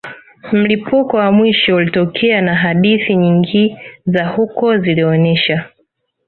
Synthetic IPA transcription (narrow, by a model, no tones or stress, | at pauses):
m̩lipʰukɔwamwiʃɔulitɔkʰɛanaɦaɗiθiɲiŋɡizahukɔziliɔnɛʃa